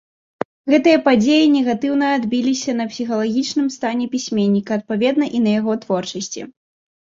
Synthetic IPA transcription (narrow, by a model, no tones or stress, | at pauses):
ɣɛt̪ɨjɐpad͡zʲejinʲɛɣat̪ɨwnɐad̪bʲilʲisʲɐnɐpsʲixɐlˠaɣʲit͡ʂnɨmst̪anʲɛpʲisʲmʲenʲːikɐɐt̪̚pavʲɛd̪nɐʔinɐjaɣɔt̪vɔrt͡ʂɐsʲt͡sʲḭ